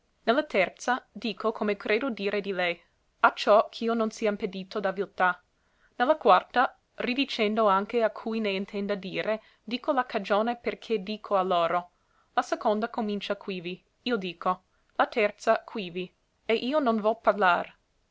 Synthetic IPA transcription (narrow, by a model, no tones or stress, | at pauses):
nelːat̪ɛrt̪sad̪iːkʰokʰomekɾʔeːd̪od̪iːɾed̪ilɛj | at͡ʃɔkʰiːononsiːaimped̪iːt̪od̪avilt̪a | nelːakwart̪a | rid̪it͡ʃɛnd̪oaŋkeakʰujneint̪ʰɛnd̪ad̪iːɾe | d̪iːkolakad͡ʒoːneperkʰed̪iːkʰoalːoːɾo | lasekond̪akomint͡ʃakʰwiːvi | iːod̪iːkʰo | lat̪ɛrt̪sakʰwiːvi | eʔiːononvɔparlaːɾ